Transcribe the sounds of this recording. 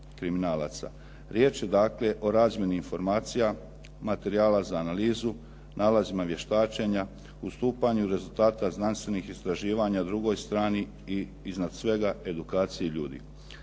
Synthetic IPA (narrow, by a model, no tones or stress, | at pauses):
kɾiminaːla̰t̪sa̰ | ɾje̞ːt͡ʃje̞d̪akle̞ʔo̞ɾaːzmje̞niːnfo̞ɾmaːt̪sija | mat̪e̞ɾiaːlazaːnaliːzu | nʔaːlazimaʋje̞ʃt̪aːt͡ʃeɲa | ust̪uːpaɲuɾe̞zulˠt̪aːt̪aznanst̪ʋe̞nixist̪ɾaʒiːʋaɲad̪ɾuɡo̞jst̪ɾaːni | i | iznad̪sʋe̞ɡae̞d̪ukaːt̪sijeʎṵːd̪ḭ